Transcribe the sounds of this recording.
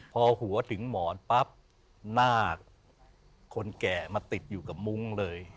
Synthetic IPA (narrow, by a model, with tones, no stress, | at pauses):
pʰɔː˧hu˩˦ɐt̪ʰɯ˩˦ŋmɔː˩˦npa˦˥p̚ | naː˥˩kʰː | o˧nkɛː˨˩maː˧t̪i˨˩t̪̚juː˨˩ka˨˩p̚mu˦˥ŋlɤː˧j